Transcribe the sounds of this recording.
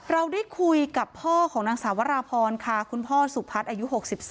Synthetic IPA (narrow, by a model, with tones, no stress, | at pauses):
ɾa˧wdaː˥˩jkʰu˧jka˨˩pʰːɔː˥˩kʰɔː˩˦ŋnaː˧ŋsaː˩˦wa˦˥ɾaː˧pʰɔː˧nkʰa˥˩kʰu˧npʰɔː˥˩su˨˩k̚pʰːa˦˥t̪̚ʔaː˧ju˦˥ɦo˨˩k̚si˨˩p̚s